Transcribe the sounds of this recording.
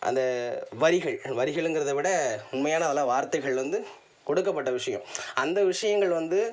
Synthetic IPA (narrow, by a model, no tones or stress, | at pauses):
ʔɐ̰nd̪ɐʋɐɾɪɣɐɭʋɐɾɪɣɐɭɛnɡɪɾɐðɐʋɪɽɐʊnmɐjaːnɐðɐlːãːʋaːɾt̪ɐɪɣɐɭʋɐnd̪ɯ | kɔɽɯkːɐpːɐʈːɐʋɪʂɐjɐ̰̃mɐnd̪ɐʋɪʂɐjɐŋɡɐɭʋɐnd̪ɯ